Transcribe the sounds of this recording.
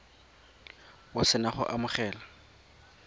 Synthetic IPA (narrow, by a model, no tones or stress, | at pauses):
wʊsɪnaχʊ̰ʔamʊχɛːla